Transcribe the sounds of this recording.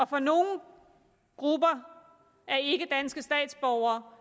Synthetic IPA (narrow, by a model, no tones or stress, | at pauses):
ɒ̽fɒ̽no̝ːn̩ | ɡ̥ʁub̥ɐ | æɐe̝ɡ̥əd̥ænsɡ̥əsd̥ɛ̰ːd̥sb̥ɒʊ̰ɐː